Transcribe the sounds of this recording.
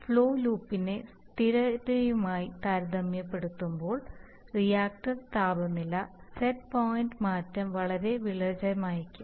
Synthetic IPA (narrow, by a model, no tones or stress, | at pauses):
fɭo̞ːluːpːinest̪iɾɐɾɐjumaːjit̪aɾd̪ɐmjɐpːe̞ɽut̪ːumbo̞ːɭ | rijaːk̚ʈɐrt̪aːbɐmnilːɐsetpoːjinɖmaːtːɐmʋɐɭɐɾe̞ʋiɭɐd͡ʑɐɐmaːjɐkʲːum